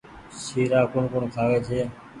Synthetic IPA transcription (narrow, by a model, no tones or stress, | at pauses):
siːɾaːkʊɳkʊɳkʰaːʋeːt͡ʃʰeː